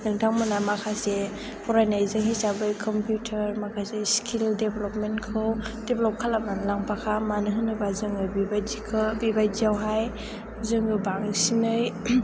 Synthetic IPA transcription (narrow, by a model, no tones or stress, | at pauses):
nɯŋtʰaŋmɯnamakʰase | pʰɔɾajnajzɯŋɦisabɯjkʰɔmpjutʰəɾmakʰaseskʰildebelɔpmenkʰɯwd̥eblɔp̚kʰalamnanlaŋpʰakʰamanɯɦɯnɯbazɯŋɯbibad͡ʒikʰɯbibajd͡ʒijawɦaj | zɯŋɯbaŋsinɯj